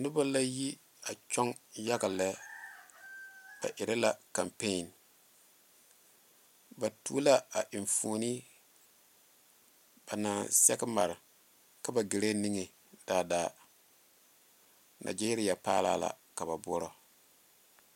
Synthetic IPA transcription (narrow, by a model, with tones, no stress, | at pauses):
nʊ˦ba˦la˦ji˦ | a˨t͡ʃɔ˦ŋja˦ɡa˨lɛ˦ | b̥a̰˨ʔɪ˨ɾa˦la˨ka˨mpe˦˨n | ba˨tṵ˦la˦a˨ʔɪ˨ɱfuː˨ni˦ | b̥a˨naː˨sɛ˦kma˨ɾɪ˨ | ka˦ba˨ɡe˨ɾe˦ni˦ŋe˨ | d̥aː˨daː˨ | na̰˨d͡ʒi˦ɾi˦ja˨pa̰ː˦la̰ː˦la̰˨ | ka˨βa˨bʊ˦ɔ˦ɾɔ˨